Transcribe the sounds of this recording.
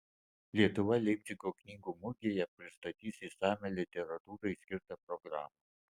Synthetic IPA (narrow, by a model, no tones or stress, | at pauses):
lʲiɛt̪ʊʋɐlʲɛmʲzʲɪɡoːknʲiːɡuːmʊɡʲejɛpʲɾʲɪst̪ɐt̪ʲiːsisɑːmʲɛlʲɪt̪ʲɛɾɐt̪uːɾɐɪsʲkʲɪɾt̪ɐpɾɔɡɾɑːmɐ